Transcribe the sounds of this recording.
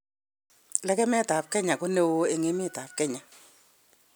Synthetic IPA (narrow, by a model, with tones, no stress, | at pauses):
lɛ˦kɛ˦mɛ˦ta˨p̚kɛ˦ɲa˨kʊ˦ne˦wo˦e˨ŋe˦mɪ˦˨ta˨p̚kɛ˦ɲa˨